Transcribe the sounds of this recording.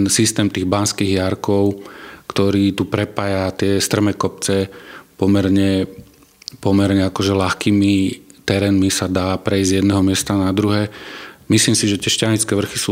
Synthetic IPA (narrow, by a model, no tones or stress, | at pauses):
nsist̪ɛːmt̪iːɣbanskiːɣjaɾkɔʊkt̪ɔɾiːt̪upɾɛpaːjat̪ɪɛst̪r̩mɛkɔp̚t͡sɛpɔmɛɾɲɛ | pɔmɛɾɲɛakɔʒɛlaxkiːmit̪ɛɾɛːnmisad̪aːpɾɛizzjɛd̪nɛɦɔmɪɛst̪anad̪ɾuɦɛːmisliːmsiʒɛt̪ɪɛʃcaɲit͡skɛːʋr̩xisuː